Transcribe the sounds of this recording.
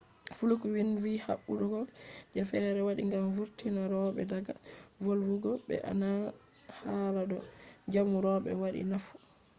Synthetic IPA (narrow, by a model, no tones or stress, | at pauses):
fulukwinviha̰ɓːuɗɔɡɔd͡ʒafɛɾɛwaɗiŋɡamvuɾtinaɾɔɓɛ̰daɡavolwuɡɔɓɛ̰ʔa̰na | haladɔd͡ʒamuɾɔɓɛ̰waɗḭnafu̥